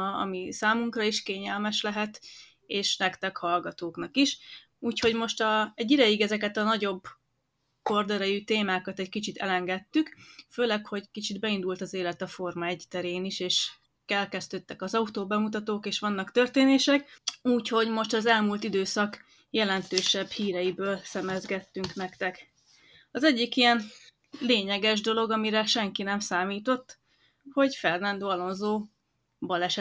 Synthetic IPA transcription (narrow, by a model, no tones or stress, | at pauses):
ɒ̰misaːmuŋkrɒiʃkeːɲɛlmɛʃlɛɦɛt̪ | eːʃnɛkt̪ɛkhɒlɡɒt̪oːknɒkiʃ | uːcho̞ɟmo̞ʃt̪ɒɛɟːid̪ɛjiɡɛzɛkɛt̪ɒnɒɟo̞bː | ko̞rd̪ɛɾɛjyt̪eːmaːkɒt̪ɛɟkit͡ʃit̪ʰɛ̰lɛŋɡɛt̪ːykføːlɛkho̞ɟkit͡ʃid̪bɛind̪ult̪ɒzeːlɛt̪ɒfo̞rmɒɛɟt̪ɛɾeːniʃeːʃ | kɛlkɛzt̪øːt̪ːɛkɒzɒut̪oːbɛmut̪ɒt̪oːkeːʃʋɒnːɒkt̪ørt̪eːneːʃɛkuːcho̞ɟmo̞ʃt̪ɒzɛlmuːlt̪id̪øːsɒk | jɛlɛnt̪øːʃɛbhiːɾɛjibøːlsɛmɛzɡɛt̪ːyŋknɛkt̪ɛk | ɒzɛɟːikijɛn | leːɲɛɡɛʒd̪o̞lo̞ɡɒmiɾɛʃɛŋkinɛmsaːmiːt̪o̞t̪ː | ho̞ɟfɛrnɛnd̪oːɒlo̞nzoː | bɒlɛʃ